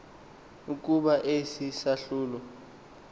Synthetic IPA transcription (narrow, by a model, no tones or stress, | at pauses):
uk̬ʼuɓaʔesisaɬuːlɔ